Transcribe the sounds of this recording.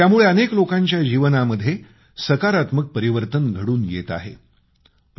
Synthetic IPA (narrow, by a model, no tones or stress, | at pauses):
t̪jamuɭeəneklokãɲt͡ɕjad͡ʑiʋənaməd̪ʱje | səkaɾat̪mək̚pəɾiʋəɾt̪ənɡʱəɽuːnjḛt̪a̰ɦḛ | p